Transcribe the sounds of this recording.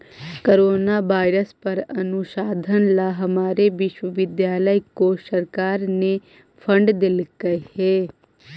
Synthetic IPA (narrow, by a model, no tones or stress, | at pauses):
koɾoːnaʋaːɪɾəspɐɾɐnʊʃaːd̪ʱənlaɦɐmaːɾeʋɪʃwəʋɪd̪jaːləikosɐɾkaːɾne | pʰə̃ɳɖd̪ɪlɡəehɛː